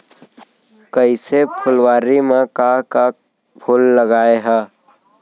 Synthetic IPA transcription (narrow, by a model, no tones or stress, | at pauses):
kəɪsepʰʊlwaːɾimekaka | pʰʊlːəɡaːeɦɛː